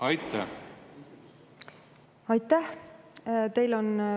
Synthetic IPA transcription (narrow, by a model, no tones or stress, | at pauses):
ɑjt̪ːæ | ɑjt̪ːæh | t̪e̞jlo̞n